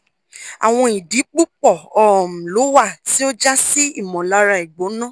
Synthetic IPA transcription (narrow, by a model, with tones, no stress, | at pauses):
a̰˨w̃ɔ̃˧i˨di˨˦k͡pu˦k͡pɔ˦˨ɔ˦˨m̩˨lo˨˦wa˦˨ti˨˦o˦d͡ʒa˦si˦i˦˨mɔ̃˨la˨˧ɾa˧i˨ɡ͡bo˨˦nã˦